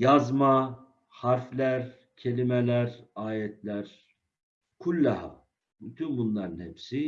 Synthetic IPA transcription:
jazma | haɾflʲæɾ | cʰelʲimɛlʲæɾaːjɛt̪ʰlʲæɾ | kʰulʲːaha̰ | byt̪ʰynbunlˠaɾɯnhɛpsi

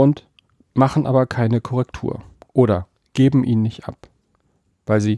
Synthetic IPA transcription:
ʊnt | maχn̩ʔaːbɐkʰaɪnəkʰɔʁɛktʰṵːɐ | ʔoːɾɐ | ɡ̥eːbm̩ʔiːnːɪçtʔa̰p | v̥aɪlziː

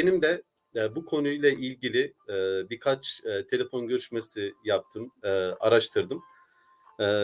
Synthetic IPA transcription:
benimd̪ɛ | bukʰo̞nujlˠɛʔilʲɟilʲibiɾkʰat͡ʃːt̪ʰe̞lʲefo̞nɟø̞ɾyʃmesijap̚t̪ʰɯmːaɾaʃt̪ʰɯɾd̪ɯmː

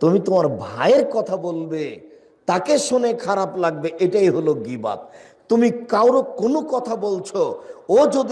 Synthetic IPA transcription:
t̪umit̪omaɾbʱaeɾkɔt̪ʰabolbe | t̪akeʃonekʰaɾaplaɡ̚beʔeʈaiɦoloɡiba̰t̪̚ | t̪ːumikawɾokonokɔt̪ʰabolt͡ɕʰood͡ʑod̪

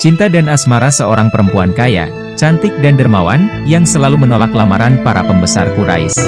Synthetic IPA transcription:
t͡ʃint̪adanasmaɾasəoɾaŋpəɾəmpuankaja̰ | t͡ʃant̪ɪk̚dandərmawa̰njaŋsəlalumənolaklamaɾanpaɾa̰pəmbəsa̰rkuɾa̰ɪ̰s

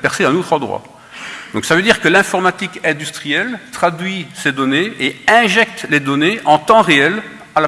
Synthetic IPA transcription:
pɛʁseɛ̃not̪χɑ̃d̪ʁwa̰ | d̪̥ɔ̃ksavød̪iʁkəlɛ̃fɔʁmat̪ikɛ̃d̪yst̪χijɛlt̪χad̪ɥised̪ɔneeɛ̃ʒɛk̚t̪led̪ɔneʔɑ̃t̪ɑ̃ʁeɛl | ala

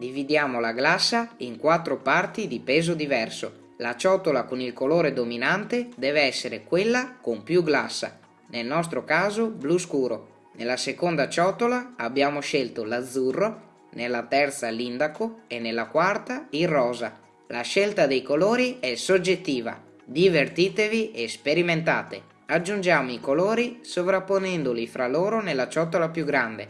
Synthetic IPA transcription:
d̪ivid̪jaːmolaɡlasːaiŋkwat̪ːɾopart̪id̪ipɛːzod̪ivɛrso̰ | lat͡ʃɔt̪olakonilkoloːɾed̪ominant̪ed̪ɛːveɛsːeɾekwelːakompjuɡlasːa̰ | nelnɔs̬t̪ɾokaːzobluskuːɾo | nelasekond̪at͡ʃɔt̪olaːbːjaːmoʃelt̪olad̪zːurːo | nelːat̪ɛrt̪salind̪akoenːelːakwart̪airːɔːza̰ | laʃɛlt̪ad̪ejkoloːɾiɛsod͡ʒet̪ːiːva̰ | d̪ivert̪iːt̪eviʔespeɾiment̪a̰ːt̪ḛ | ad͡ʒːund͡ʒaːmoikoloːɾisovɾapːonɛnd̪olifɾaloːɾonelːat͡ʃɔt̪ːolapjuɡɾand̪e

